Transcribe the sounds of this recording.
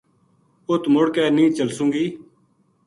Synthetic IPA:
ʊt̪mʊɽkɛːnĩːt͡ʃəlsʊ̃ːŋɡiː

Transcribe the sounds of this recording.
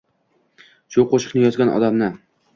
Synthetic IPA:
ʃʊqʰoʃɪ̥qnɪjɒzɡʲanʔɒ̰d̪amnɪ

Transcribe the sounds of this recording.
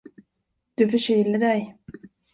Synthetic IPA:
d̪̥ɵfœɕyːləɖɛj

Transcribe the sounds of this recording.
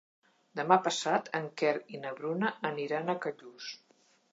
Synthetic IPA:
d̪əmapəsat̪ʰəŋkɛɾinəβɾunəʔːniɾanəkəʎus

